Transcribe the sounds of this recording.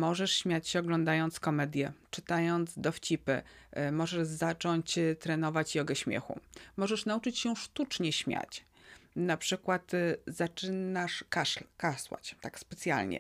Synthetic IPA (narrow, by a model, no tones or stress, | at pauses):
mɔʐɛʂɕmʲjat͡ɕɕɛɔɡlɔnd̪ajɔnt̪skɔmɛd̪ʲjɛt͡ʂɘt̪ajɔnd̪zd̪ɔft͡ɕipɘ̰mɔʐɛʐzat͡ʂɔɲt͡ɕt̪ɾɛnɔvat͡ɕiɔɡɛɕmʲjɛ̰xṵmɔʐɛʂnaut͡ʂɘt͡ɕɕɛʂt̪ut͡ʂɲɛɕmʲja̰t͡ɕ | napʂɘkwat̪zat͡ʂɘnaʂkaʂlkaswa̰t͡ɕt̪akspɛt̪sʲja̰lɲɛ̰